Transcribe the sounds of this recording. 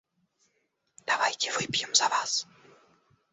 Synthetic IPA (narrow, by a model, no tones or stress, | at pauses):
d̥̪avajc̪ʲɛvojpjɔmz̥avaːs